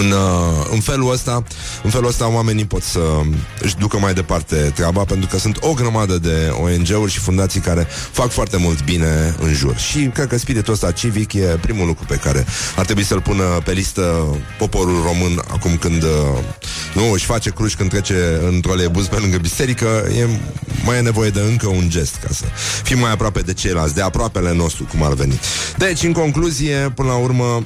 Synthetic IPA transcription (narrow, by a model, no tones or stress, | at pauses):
ɨnɨ̰nfe̞luəst̪a | ɨnfe̞luəst̪aoame̞nipo̞t̪səɨ̰ʃd̪ukəmajd̪e̞part̪e̞t̪ɾʲabape̞nt̪ɾukəsunt̪o̞ɡɾəmad̪əd̪e̞oe̞nd͡ʒe̞urʲʃifund̪at̪sijkaɾe̞fakfoart̪e̞mult̪bine̞ɨ̰nʒṵrʃikɾed̪̚kəspiɾit̪uəst̪at͡ʃivikje̞pɾimulukɾupe̞kaɾe̞̰art̪ɾe̞buisəlpunəpe̞list̪əpo̞po̞ɾulro̞mɨna̰kumkɨnd̪ | nuɨʃʲfat͡ʃe̞kɾuʃʲkɨnd̪t̪ːɾet͡ʃe̞ɨnt̪ɾoolebuzpelɨŋɡəbise̞ɾikəjḛmajane̞vo̞je̞d̪e̞ɨŋkəund͡ʒe̞st̪ka̰sə̰fimːajapɾoape̞d̪e̞t͡ʃe̞jlasʲd̪e̞apɾoape̞le̞no̞st̪ɾukuma̰rve̞nit̪d̪e̞t͡ʃʲɨŋko̞ŋkluzije̞pɨnəlaurmə